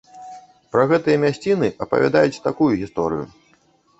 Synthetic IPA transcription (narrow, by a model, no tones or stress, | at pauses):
pɾɐɣɛt̪ɨjɐmʲasʲt͡sʲinɨʔɐpɐ̰vʲa̰d̪ajut͡sʲt̪akujuɣʲist̪ɔɾɨ̰jṵ